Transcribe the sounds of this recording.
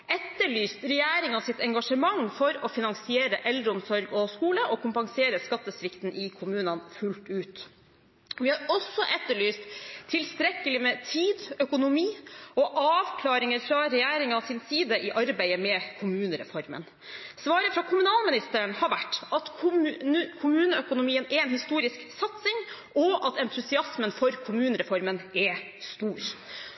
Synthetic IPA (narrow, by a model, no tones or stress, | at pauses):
ɛt̪ːəɭyːst̪ɾɛjæːɾɪŋɑsɪt̪ɛŋɡɑʂəmɑŋfɔɾɔfɪnɑŋsɪeːɾəʔɛld̪ɾəʊmsɔɾɡɔskuːləʔɔkʰʊmpɑŋseːɾəskɑt̪ːəsɾɪkt̪n̩ʔɪkʰʊmʉːnɑnfʉlt̪ʉːt̪ | ʋɪhɑɾɔsːɔʔɛt̪ːəɭyːst̪ʰːɪlst̪ɾɛkːəlɪmɛt̪ʰiːd̪œkʊnʊmiːɔʔɑːʋkʰlɑːɾɪŋəɾfɾɑɾɛjæːɾɪŋɑsɪnsiːd̪əʔɪʔɑɾbæɪəmɛkʰʊmʉːnəɾɛ̰fɔɾmə̰n | sʋɑːɾəfɾɑkʰʊmʉnɑːlmɪnɪst̪əɾəɳhɑɾʋæʈːɑt̪ʰ | kʰʊmʉːnəœkʊnʊmiːənɛɾɛnhɪst̪uːɾɪsksɑt̪sɪŋʔɔʔɑt̪ɛnt̪ʰʉsɪɑsmənfɔɾkʰʊmʉːnəɾɛfɔɾmənɛ | st̪uːɾ